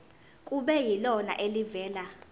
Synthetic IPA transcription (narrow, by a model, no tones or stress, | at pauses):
kʼuɓɛjilɔna̰ʔelivɛːla